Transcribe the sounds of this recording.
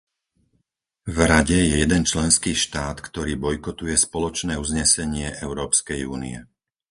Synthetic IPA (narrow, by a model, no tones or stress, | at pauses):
vɾaɟɛjɛjɛd̪ɛnt͡ʃlɛnskiːʃt̪aːt̪kt̪ɔɾiːbɔjkɔt̪ujɛspɔlɔt͡ʃnɛːuzɲɛsɛɲɪɛʔɛʊɾɔːpskɛjuːnḭɛ